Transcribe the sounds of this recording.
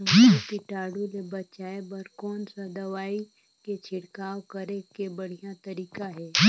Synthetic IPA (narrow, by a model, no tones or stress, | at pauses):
okiʈaːɽulebɐt͡ʃaːebəɾkɔːnsad̪ɐʋaːi | ket͡ʃʰɪɽkaːwkɐɾekebəɽ̤ijat̪ɐɾiːkaɦɛː